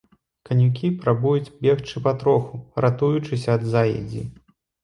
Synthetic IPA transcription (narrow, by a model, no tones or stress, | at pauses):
kɐnʲukʲipɾabujut͡sʲbʲɛxt͡ʂɨpat̪ɾɔxurat̪ujut͡ʂɨsʲɐːd̪zajɛ̰d͡zʲḭ